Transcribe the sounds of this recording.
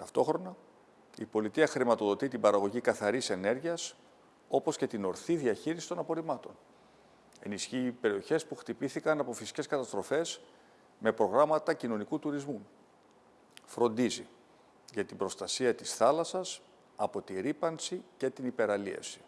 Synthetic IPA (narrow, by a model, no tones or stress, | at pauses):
t̪ɐft̪o̞xɾo̞nɐ | ipo̞lit̪iɐxɾimɐt̪o̞ðo̞t̪it̪ibɐɾɐɣo̞ʝikɐθɐɾise̞ne̞ɾʝiɐs | o̞po̞sce̞t̪ino̞ɾθiðiɐçiɾisi̥t̪o̞nɐpo̞ɾimɐt̪o̞n | e̞nisçiːpe̞ɾio̞çe̞spuxt̪ipiθikɐnɐpo̞fisi̥ce̞skɐt̪ɐst̪ɾo̞fe̞s | me̞pɾo̞ɣɾɐmɐt̪ɐcino̞nikut̪uɾizmu | fɾo̞nd̪izi | ʝɐt̪ibɾo̞st̪ɐsiɐt̪isθɐlɐsɐs | ɐpo̞t̪iɾipɐnsice̞t̪inipe̞ɾɐliɐ̰si̥